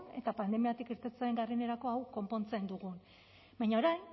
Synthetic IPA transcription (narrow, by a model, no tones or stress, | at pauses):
ne̞̰t̪apand̪e̞miat̪ikiɾt̪et͡saeŋɡarine̞ɾako̞awko̞mpo̞nt͡se̞nd̪uɣun | bajɲaoɾajn